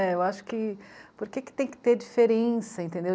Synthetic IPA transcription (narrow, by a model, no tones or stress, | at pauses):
ɛewaʃʊ̥kɪpoɾkekɪ̥t̪ẽj̃kɪ̥t̪eɾd͡ʒifeɾẽsɐẽnt̪ẽnd̪e